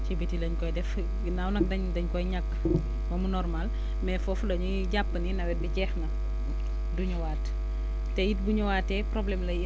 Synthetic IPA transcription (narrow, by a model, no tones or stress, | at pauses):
cibitilɐɲkɔjdɛf | nawnɐk̚dɐɲdɐɲkɔjɲakː | mɐmunɔrmal | mɛfɔfudɐɲu | ɟapːɐninɐwɛt̚bicɛːxnɐ | duɲuwaːt | tɛjit̚buɲuwaːtːɛpɾɔblɛmlɐj